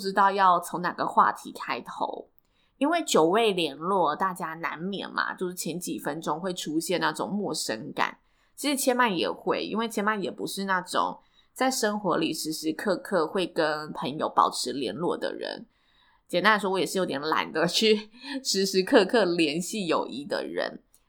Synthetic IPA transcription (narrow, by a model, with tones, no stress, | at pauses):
ʈ͡ʂɻ̩˥t̪ɑ˥˧ʊjɑ˥˩ʊt͡sʰo˧˥ŋna̰˨˩ɡə̰˨xwa̰˥˩t̪ʰi˧˥kʰa˥ɪt̪ʰo̰˧˥˦ʊ | i˥nwe˥˩ɪt͡ɕjo˨˩ʊwe˥˩ɪljɛ˧˥nlwɔ˥˩t̪a˥˩t͡ɕja˥na˧˦nmjɛ̰˨˩nma̰˨˩t͡ɕjo˥˧ʊʂɻ̩˥˩t͡ɕʰjɛ˧˥nt͡ɕi˨˩fə˦nʈ͡ʂʊ˥ŋxwe˥˩ɪʈ͡ʂʰu˥ɕjɛ˥˧na˥˩ʈ͡ʂʊ̰˨˩ŋmwɔ˥˩ʂə˥ŋka̰˨˩˦n | t͡ɕʰi˧˥ʂɻ̩˧˩t͡ɕʰjɛ˥nma˥˩njɛ̰˨˩xwe˥˩ɪḭ˥nwe˥˩ɪt͡ɕʰjɛ˥nma˥˩njɛ˨˩pu˧˥ʂɻ̩˥˧na˥˩ʈ͡ʂʊ̰˨˩˦ŋ | t͡sa˥˩ɪʂə˥ŋxwɔ˧˥li˨˩ʂɻ̩˧˥ʂɻ̩˧˥kʰɤ˥˧kʰɤ˥˧xwe˥˩ɪkə˦˥npʰə˧˥ŋjo˧˩ʊpɑ̰˨˩ʊʈ͡ʂʰɻ̩˧˥ljɛ˧˥nlwɔ̰˥˩d̪ə̰˩ɻə̰˧˦n | t͡ɕjɛ˨˩nt̪a˧˥la˧˩ʂwɔ˥wjɛ˨˩ʂɻ̩˥˩jo˧˥ʊt̪jɛ˧˥nla̰˨˩nd̪ə˨t͡ɕʰy˥˩ʂɻ̩˧˥ʂɻ̩˧˥kʰɤ˥˧kʰɤ˥˩ljɛ˧˥nɕi˥˩jo˨˩ʊʔi˧˥d̪ə̰˨˩ɻə̰˧˥n